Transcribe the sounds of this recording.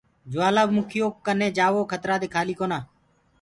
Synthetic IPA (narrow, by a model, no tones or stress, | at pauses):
d͡ʒʊʋaːlaːbmʊkʰɪjoːk̚kəneːd͡ʒaːʋoːkʰət̪ɾaːd̪eːkʰaːliːkoːnaː